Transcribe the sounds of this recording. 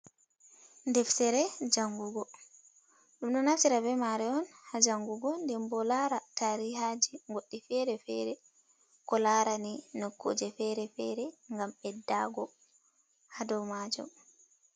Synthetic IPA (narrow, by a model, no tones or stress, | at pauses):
ndɛfsɛɾɛd͡ʒaŋɡuɡɔ | ɗumɗɔnaft͡ʃiɾabɛmaɾɛɔnhad͡ʒaŋɡuɡɔndɛmbɔlaɾataɾiɦad͡ʒiŋɡoɗːifɛɾɛfɛɾɛ | kɔlaɾaninɔkːo̰ːd͡ʒɛfɛɾɛfɛɾɛŋɡamɓɛdaɡɔ | hadɔmad͡ʒɔ̰m